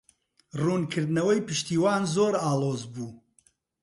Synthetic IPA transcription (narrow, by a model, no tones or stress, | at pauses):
ruːnkʰɨɾd̪nɐwɐjpɨʃt̪iːwaːnzoːɾaːlˠoːzbuː